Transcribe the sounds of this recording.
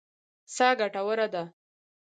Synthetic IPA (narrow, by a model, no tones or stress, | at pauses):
sɑɡaʈawəɾad̪a